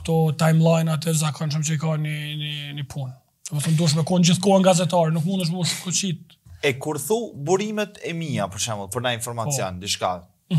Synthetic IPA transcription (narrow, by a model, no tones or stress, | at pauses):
kt̪ɔt̪ajmlˠajnat̪ɛzakanʃ̬umt͡ɕəikanininipʰun | ɛvɔθɔmd̪uəʃ̬mɛkɔnd͡ʑiθkɔɛnɡazɛt̪aɾɛnukmund̪əʃ̬muʃkɔt͡ɕit̪̚ | ɛkuɾθubuɾimɛt̪ɛmiapəɾʃɛməlˠpɔɾnainfɔɾmapt͡sjɔ̰nd̪iʃka̰